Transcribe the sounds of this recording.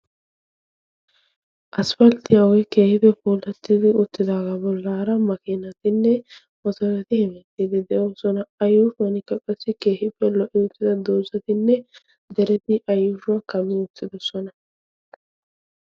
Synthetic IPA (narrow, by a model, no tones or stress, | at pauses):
ʔɐsfɐlt̪ɪjawɔjke̞ːhɪb̪ɛfuːlɛt̪ːɪd̪ɪʊt̪ːɪd̪aːɡabɔlːaːɾɐmɐkɪnɐt̪ɪnːɛ | ʔɔt̪ɔɾɐt̪ɪhɪmɛt̪ːiːd̪ɪd̪ɛʔosɔnɐɐjːʊʃʊɐnɪkːɐkʼɐsːɪke̞ːhɪpːɛlɔʔɪʊt̪ːɪd̪ɐd̪oːzɐt̪ɪnːɛ | d̪ɛɾɛt̪ɪʔɐjːʊʃʊɐkɐmːɪʊt̪ːɪd̪ɔsɔnɐ